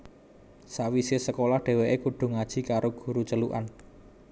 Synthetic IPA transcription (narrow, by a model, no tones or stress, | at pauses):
sawisesəkolahɖ̥e̤weʔekuɖ̥ʊ̤ŋad̥ʒ̥i̤kaɾoɡ̥ṳɾut͡ʃəluʔa̰n